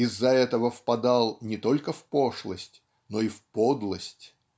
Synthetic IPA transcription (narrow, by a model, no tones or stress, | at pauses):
ɪzːɐɛt̪əvəfpɐd̪ɑlˠnʲɪt̪o̞lʲkəfpo̞ʂlˠəsʲtʲ | no̞ifpod̪lˠəsʲtʲ